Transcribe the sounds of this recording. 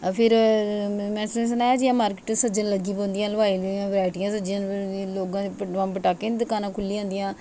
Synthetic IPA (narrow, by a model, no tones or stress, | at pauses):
pʰɪɾ | mɛ̃ːss̬ənaːjaːd͡ʒiãːmaːɾkɪːʈsəd͡ʒə̃nləɡiːpõːnd̪ijãːləʋaːiːlijãːbɾɛːʈɪjãːsəd͡ʒɪjãːloːɡãːpʋãːpəʈaːkːeːd̪ɪkaːnãːkʰʊlːiːãːnd̪ijãː